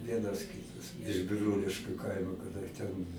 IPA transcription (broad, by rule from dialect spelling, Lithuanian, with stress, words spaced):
ˈʋʲiɛnɐs ˈkʲiːtɐs ɪʃ bʲɪˈruːlʲɪʃʲkʲʊ ˈkɐɪmoː kɐˈdɐ tʲɛn